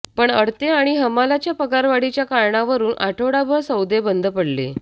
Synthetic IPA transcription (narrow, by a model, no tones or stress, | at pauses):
pəɳəɽt̪eaɽ̃iɦəmalat͡ɕjapəɡaɾʋaɽit͡ɕjakaɾɳaʋəɾuːnʔa̰ʈʰoɽabʱəɭsəwd̪ebənd̪ʱəpəɽlḛ